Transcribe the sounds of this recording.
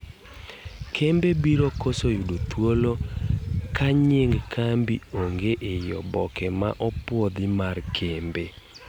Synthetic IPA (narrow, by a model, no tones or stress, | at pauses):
kʰembebiɾokosojudot̪wolo | kaɲeŋɡkʰambioŋɡeʔejɔbɔkɛma̰ʔɔpwod̪ɪmarkʰembe